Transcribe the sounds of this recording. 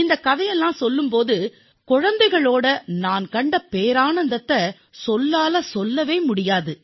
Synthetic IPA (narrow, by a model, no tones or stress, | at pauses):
ɪnd̪ɐkɐðɐjɛlːãːsɔlːɯmpoːðɯ | kʊɻɐnd̪ɐɪɣɐɭoːɽɐnaːnkɐɳɖɐpeːɾaːnɐnd̪ɐt̪ːɐ | sɔlːaːlɐsɔlːɐʋeːmʊɽɪjaːðɯ